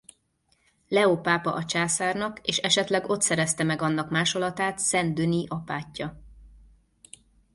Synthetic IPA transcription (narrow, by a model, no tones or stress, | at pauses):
lɛopaːpɒʔɒt͡ʃaːsaːrnɒkeːʃɛʃɛt̪lɛɡo̞t̪sɛɾɛst̪ɛmɛɡɒnːɒkmaːʃo̞lɒt̪aːt̪sɛnd̪øniʔɒpaːcːɒ